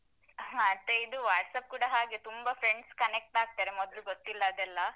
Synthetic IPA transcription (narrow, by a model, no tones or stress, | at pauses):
ɦaɐt̪ːeid̪uʋaːʈsɐp̚kuːɽɐɦaːɡet̪umbɐfʰɾeɳɖskɐnek̚ʈaːɡ̚t̪aːɾemɔd̪ɐluɡot̪ːilːɐːd̪ɛlːɐ